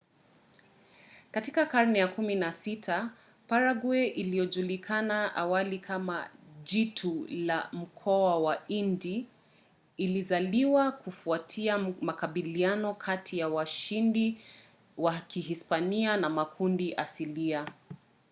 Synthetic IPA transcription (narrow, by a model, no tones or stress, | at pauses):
katikakaɾnɛjakuminasitʰa | paɾaɡwɛʔilijɔʄulikʰanaʔa̰walikʰama̰ʄitʰula̰m̩kʰɔawaindiː | lizaliwakufuatʰiamakaɓilianɔkʰatʰijawaʃindi | wakihispanianamakʰundiʔasilia